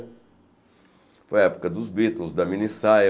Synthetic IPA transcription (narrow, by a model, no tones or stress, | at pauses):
fojɐɛpu̥kɐd̪ʊzbit̪õzd̪ɐminisa